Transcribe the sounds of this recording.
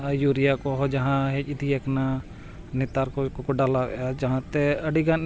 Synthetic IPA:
ajuɾijakɔɦɔd͡ʒaɦãɦɛc̚id̪iɛkna | nɛt̪aɾkɔkɔkɔɖalaɛ̰ad͡ʒaɦãt̪ɛəɖiɡan

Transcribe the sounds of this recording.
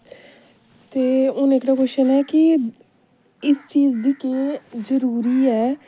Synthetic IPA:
t̪eːʊ̃neːkʰɾãkʊʃənɛːkɪ | ɪst͡ʃiːzd̪iːkeːzəɾuːɾiːɛː

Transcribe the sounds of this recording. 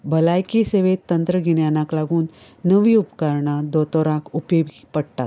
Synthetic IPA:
bʱəlajkiseʋet̪ːənt̪ɾəɡʱiɳjanãklaɡuːnː | əʋiupkaɾɳad̪ɔt̪ɔɾãkupebipəɽt̪at̪

